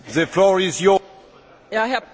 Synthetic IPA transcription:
ðəflɔɹɪzjɔ | jaɦɛɐ

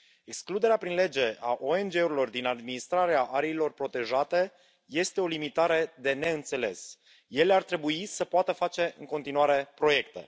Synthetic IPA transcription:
e̞ksklud̪e̞ɾeapɾinle̞d͡ʒe̞ʔaʔo̞e̞nd͡ʒe̞uɾilo̞rd̪inad̪minist̪ɾaɾeaʔaɾeilo̞rpɾo̞t̪e̞ʒat̪e̞ | je̞st̪e̞o̞limit̪aɾe̞d̪e̞ne̞ɨnt̪se̞le̞̰s | je̞leart̪ɾe̞buisəpoat̪əfat͡ʃe̞ɨŋko̞nt̪inuaɾe̞pɾo̞je̞kt̪e̞̰

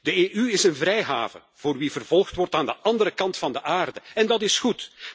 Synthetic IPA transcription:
d̥əeːʔyɪsənvrɛjɦa̰ːvə̰ | v̥oːrʋivərv̥ɔlˠxtʋɔrtaːndəʔɑndəɾəkɑntfɑndəʔaːrdəɛndɑtɪsxut

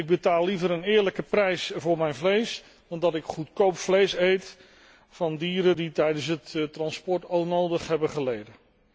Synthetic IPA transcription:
ɪɡ̚bətaːlˠːivəɾənɪːɹləkəprɛjsvʊːɹmɛjnvlejs | dɑndɑtɪkχutkowpflejsejt | fɑndiːɾəditɛjdəns̬ɦəttrɑnspɔɹtonowdəχɦɛbəχəlejdə

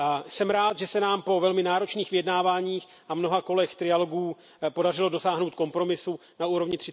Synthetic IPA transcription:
sɛmɾaːt̪ʒɛsɛnaːmpo̞vɛlmɪnaːɾo̞t͡ʃniːxvɪjɛdnaːvaːɲiːx | ʔamno̞ɦako̞lɛxt̪ɾɪjalo̞ɡuː | po̞dar̝ɪlo̞do̞saːɦno̞wt̪̚ko̞mpɾo̞mɪsunauːɾovɲɪt̪r̥ɪ

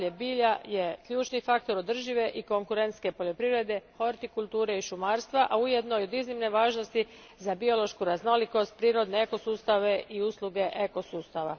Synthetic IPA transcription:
ʎebiːʎaje̞kʎuːt͡ʃnifakt̪o̞ɾo̞d̪r̩ʒiʋe̞ʔiko̞ŋkuɾent̪ske̞po̞ʎo̞pɾiʋɾe̞d̪e̞xo̞ɾt̪ikulˠt̪uːɾeiʃumaːɾst̪ʋaʔaujed̪no̞jod̪iznimne̞ʋaːʒno̞st̪i | zabio̞lˠo̞ʃkuɾazno̞liko̞st̪̚pɾiːɾo̞d̪ne̞eko̞suːst̪aʋe̞ʔiuslˠuɡe̞ʔeko̞suːst̪aʋa

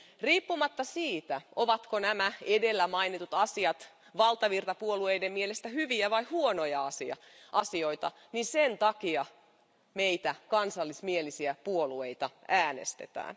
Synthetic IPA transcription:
riːpːumɑt̪ːɑsiːt̪æʔoʋɑt̪konæmæedelːæmɑinit̪ut̪ɑsiɑt̪ | ʋɑlt̪ɑʋirt̪ɑpuoluejdemmielest̪æhyʋiæʋɑihuonojɑɑsiɑ̰ʔɑsioit̪ɑ̰ | nisent̪ɑkiɑ | meit̪ækɑnsɑlːismielisiæpuoluejt̪ɑæːnḛst̪et̪æ̰ːn

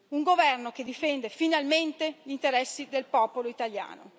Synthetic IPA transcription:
uŋɡovɛrnoked̪ifɛnd̪efinalment̪eʎint̪eɾɛsːid̪elpɔːpoloit̪aʎja̰ːno̰

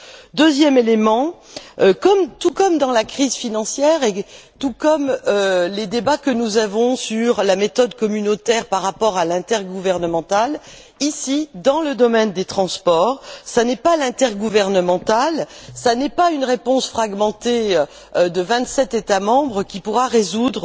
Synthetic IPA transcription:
d̪øzjɛmelemɑ̃økɔmt̪ukɔmd̪ɑ̃lakχizfinɑ̃sjɛʁet̪ukɔmøled̪ebakənuzavɔ̃syʁlamet̪ɔd̪kɔmynot̪ɛʁpaʁːapɔʁalɛ̃t̪ɛʁɡuvɛʁnəmɑ̃t̪al | isid̪ɑ̃ləd̪ɔmɛnd̪et̪χɑ̃spɔʁsanɛpalɛ̃t̪ɛʁɡuvɛʁnəmɑ̃t̪alsanɛpaynʁepɔ̃sfχaɡmɑ̃t̪e | d̪əvɛ̃t̪sɛt̪et̪amɑ̃bʁəkʲipuʁaʁezud̪ʁ

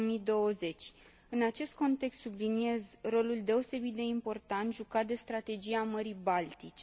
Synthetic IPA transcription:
mid̪o̞əze̞t͡ʃʲ | ɨnat͡ʃe̞st̪̚ko̞nt̪e̞kst̪sublinie̞zro̞luld̪e̞o̞se̞bit̪̚d̪e̞impo̞rt̪ant̪ʒukad̪e̞st̪ɾat̪e̞d͡ʒiaməɾibalt̪it͡ʃʲ

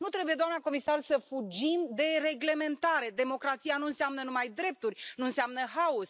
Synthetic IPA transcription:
nut̪ɾe̞buje̞d̪oamnako̞misarsəfud͡ʒimd̪e̞re̞ɡle̞me̞nt̪aɾe̞d̪e̞mo̞kɾat̪sijanuɨnseamnənumajd̪ɾe̞p̚t̪urʲnuɨnseamnəɦaus

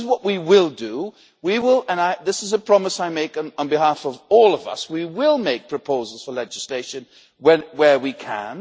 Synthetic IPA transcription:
zwʌʔwiwɪlˠdɨ | wiwɪlˠə̃naɪðɪsɨzəpʰɹ̥ɑməsaɪmeɪknə̃n̩bɨɦæfʌvɔlˠʌvʌ̰swiwɪlˠmeɪk̚pʰɹ̥ɨpʰoʊzl̩ˠz̥fə˞lɛd͡ʒɨsleɪʃɨ̃n | wɨ̃nwə˞wikʰə̰̃n

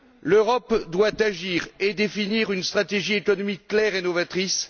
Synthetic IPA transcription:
løʁɔpd̪wat̪aʒiʁed̪efiniʁynst̪χat̪eʒiekɔnɔmikːlɛʁenɔvat̪χis

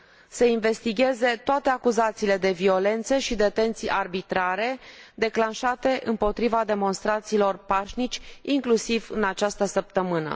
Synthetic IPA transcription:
seinve̞st̪iɡʲe̞ze̞t̪oat̪e̞akuzat̪siːle̞d̪e̞vio̞le̞nt̪səʃid̪et̪e̞nt̪sijʔarbit̪ɾaɾe̞d̪e̞klanʃat̪e̞ʔɨmpo̞t̪ɾivad̪e̞mo̞nst̪ɾat̪siːlo̞rpaʃnit͡ʃʲiŋklusivɨnat͡ʃast̪əsəp̚t̪əmɨnə̰

